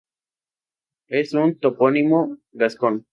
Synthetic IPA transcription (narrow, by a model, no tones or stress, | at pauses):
esunt̪oponimoɡɐskon